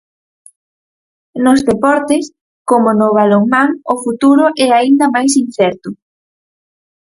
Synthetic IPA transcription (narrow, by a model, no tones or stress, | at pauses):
nozðepɔɾt̪es | komʊnoβaloŋmaŋʊfut̪uɾʊʔɛaind̪ɐmajsin̟θɛɾt̪ʊ